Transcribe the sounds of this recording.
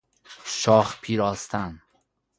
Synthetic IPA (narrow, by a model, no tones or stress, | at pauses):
ʃɒːxpʰiːɾɒːst̪ʰæn